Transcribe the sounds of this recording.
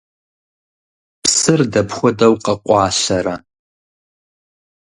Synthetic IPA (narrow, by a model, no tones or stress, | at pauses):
psɨrdɐpxʷɔdɐwqɐqʷʼɑːɕɐɾa